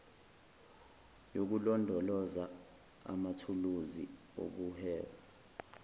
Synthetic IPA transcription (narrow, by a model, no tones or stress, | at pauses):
jok̬ulɔndʱɔlɔza | a̰matʰuluzḭ | o̰k̬uhɛːwa